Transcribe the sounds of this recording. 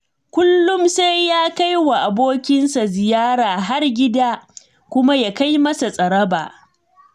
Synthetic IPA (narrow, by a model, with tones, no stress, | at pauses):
kʷʊ˦lːʊ˦mse˦jːaː˦ka˦jwa˨ʔa˨boː˦kʲɪ˦nsa˨zɪ˨jaː˦ɾaː˨ɦa˦rɡʲɪ˦daː˦ | kʷʊ˦ma˦jaː˦ka˦jmɐ˦sa˨sʼɐ˨ɽɐ˦ba̰ː˨